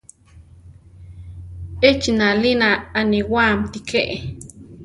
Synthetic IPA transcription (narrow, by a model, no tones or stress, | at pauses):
et͡ʃnalinaːniwaːmt̪ikʰeʔe